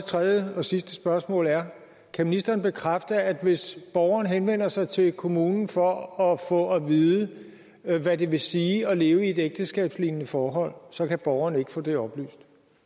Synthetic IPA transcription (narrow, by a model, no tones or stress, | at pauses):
t͡sʰʁɛðˠjəɒ̽sisd̥əsb̥ɶɐsmɔ̰̽ːlæɐ | kʰæminisd̥ɐːnb̥e̝kʰʁafd̥ɐæd̥ʋe̝sb̥ɒʊɐnəɦenʋen̰ɐsɑ̈ɪt͡sʰe̝lkʰo̝muːnn̩fɒ̽ɒfɔ̰̽ɒʋiðˠə | ʋæde̝ʋe̝siːɒ̽le̝ːʊəie̝d̥eɡ̥̚d̥əsɡ̥ɛ̰ːb̥slinnəfɒːɦɒ̽l̰sɒ̽kʰæb̥ɒʊɐnəe̝ɡ̥ə̥fɔ̰̽ːd̥e̝ɒ̽b̥ly̰ːsd̥